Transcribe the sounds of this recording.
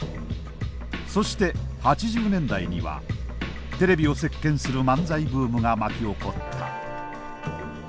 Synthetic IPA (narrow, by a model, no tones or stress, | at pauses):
so̞ɕi̥t̪e̞hat͡ɕiʑɨːnẽ̞nd̪aiɲ̟iβa̰ | t̪e̞ɾe̞bʲio̞se̞kːẽ̞ɰ̃sɨɾɯ̟mãnd͡zaibɯːmɯ̟ɡamakʲio̞ko̞t̪ːa̰